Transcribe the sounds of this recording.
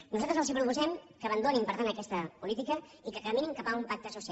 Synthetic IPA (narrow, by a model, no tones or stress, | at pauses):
nuzalt̪ɾəzəwzipɾupuzɛmkəːβ̞ənd̪onimpəɾt̪anəkɛst̪əpulit̪ikə | ikəkəminimkapaumpak̚t̪əsusi